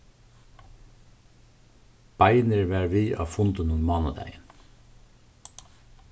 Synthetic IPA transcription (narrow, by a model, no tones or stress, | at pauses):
b̥ɑɪnəɹʋæːɹʋiːʔɑ̰ːfʊnd̪ənʊnmɑːnɑd̪æ̰ɪən